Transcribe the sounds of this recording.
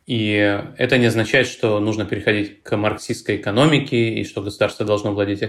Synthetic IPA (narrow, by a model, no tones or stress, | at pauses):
iɛ̰t̪ənʲɪɐznɐt͡ɕæjɪt̪ʂt̪o̞nuʐnəpʲɪɾʲɪxɐdʲitʲkʰmɐrksʲiskəjɪkɐno̞mʲɪkʲɪḭʂt̪o̞ɡəsʊd̪arst̪vəd̪ɐlˠʐno̞vlˠɐdʲetʲ